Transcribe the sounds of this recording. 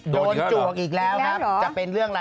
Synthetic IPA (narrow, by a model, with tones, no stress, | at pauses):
ɗo˧n˧t͡ɕu˨˩ək̚ʔiː˨˩k̚lɛː˨˦˥wna˦˥˨t͡ɕa˨˩pe˧nlɨ˥˩əŋla˨˩